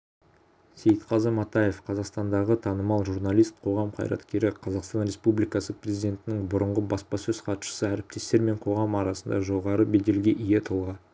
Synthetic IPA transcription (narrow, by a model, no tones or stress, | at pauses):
se̞jt̪qʰɑzəmɑt̪ɑje̞fqʰɑzɑqst̪ɑnd̪ɑʁət̪ʰɑnəmɑlˠʒuɾnɑlˠijst̪̚qʰo̞ʁɑmqʰɑ̰jɾɑ̰t̪kʲe̞ɾɪqʰɑzɑqst̪ɑnɾe̞spublijkɑsəprezid̪ʲe̞nt̪ɪnɪŋbʊɾəɴʁəbɑspɑsɵz̥qʰɑt̪ʃə̥səæɾɪp̚t̪e̞st̪e̞ɾme̞ɴqʰo̞ʁɑmɑɾɑsənd̪ɑʒo̞ʁɑɾəbe̞d̪e̞lɡʲeʔijet̪ʰəlˠʁɑ